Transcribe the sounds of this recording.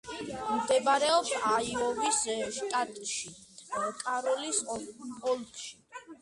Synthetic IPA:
md̪ɛbaɾɛɔpsaiɔvisʃt̪ʼat̪ʼʃi | kʼaɾɔlisɔlˠkʼʃi̥

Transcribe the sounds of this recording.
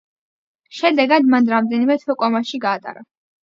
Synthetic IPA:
ʃɛd̪ɛɡad̪manɾamd̪ɛnimɛt̪ʰwɛkʼɔmaʃiɡaːt̪ʼa̰ɾa

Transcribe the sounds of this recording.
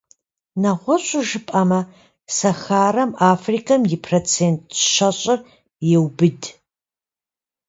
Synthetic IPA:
nɐʁʷɔɕʼʊʒɨpʼɐmɐ | sɐxaːrɐmaːfrikʰɐmjɪpʰrot͡sʰeːntʰʼʃɐɕʼɪr | jɛwbɨd

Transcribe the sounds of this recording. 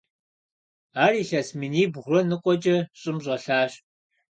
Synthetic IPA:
aːriːɬɐsmɨniːbʁʷrɔnɨqʷʼɔt͡ʃʼɐɕʼɪmʑʷʼɔɬaːɕʼ

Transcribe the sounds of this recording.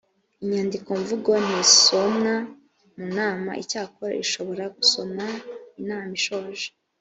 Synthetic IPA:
iɲaːndikoɱvuɡon̥iso̞mŋa | munaːma̰ʔicaːkoɾa̰ʔiʃo̞βo̞ɾaɡuso̞mainaːmiʃoːʒe̥

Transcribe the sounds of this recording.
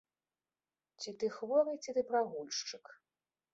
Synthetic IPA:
t͡sʲit̪ɨxvɔɾɨjt͡sʲit̪ɨpɾaɣulʲʂt͡ʂɨk

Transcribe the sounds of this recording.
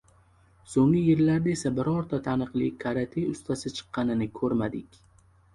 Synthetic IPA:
soŋɪjɪɾlaɾd̪aesabɪɾɒɾt̪ʰat̪ʰanɨqlˠikʰaɾat̪ʰijʊst̪ʰasɪt͡ʃʰɨ̥qːɑnɪnɪkʰɵɾmad̪ɪkʲ

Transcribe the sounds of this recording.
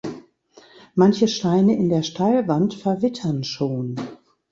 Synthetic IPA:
mançəʃtaɪnəʔɪndeːɐʃtʰalvantfɛɐvɪtʰɐnʃoːn

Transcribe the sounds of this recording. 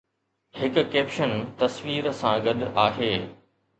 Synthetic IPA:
hɪkʊ̆keːpʃənt̪ɐsʋiːɾsãɡɐɗʔaːɦeː

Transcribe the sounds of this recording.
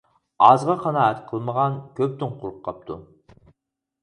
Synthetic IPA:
ɑzʁɑqʰɑnɑɛt̪qʰəlˠməʁɑnkʲʰøp̚t̪ynqʰʊɾˠʊqʰːɑp̚t̪ʰu

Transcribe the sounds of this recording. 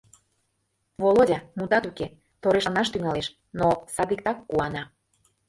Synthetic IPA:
volodʲɑmut̪ɑt̪uke | t̪oɾeʃənɑʃt̪yŋɑleʃ | nosɑd̪ik̚t̪ɑkːuɑnɑ

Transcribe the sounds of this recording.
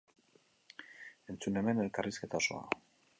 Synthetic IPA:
e̞nt͡sune̞me̞ne̞lkariske̞t̪aoso̞̰a̰

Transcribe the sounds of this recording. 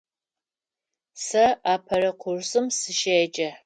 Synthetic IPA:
sɐaːpʰɐrɐqʷʰʊrsɨmsɨʃeːt͡ʃʼɐ

